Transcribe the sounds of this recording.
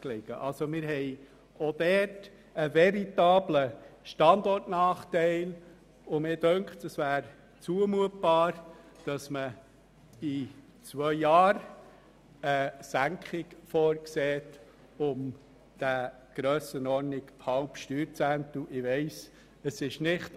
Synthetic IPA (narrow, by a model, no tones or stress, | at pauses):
kleɡ̥ə̰ʔɑlsomɪːɾɦɛɪ | od̥̪ɛt | əvɛɾitɑːbləʃtɑnd̪ɔɾtnɑːχtɛɪl | ʊmɪːdœŋkχtəsvæːɾ | t͡suəmuət̚b̥ɑːɾd̥ɑsmə | i | t͡sʋœʏjɑːɾ | əsæŋkʰχɪkfɔːɾkseːt | ʊm | d̥æ | ɡ̥ɾœːsənɔɾnɪkhɑʊpʃtyːɾt͡sæntuʔɪʋɛɪs | əsɪʃnɪχt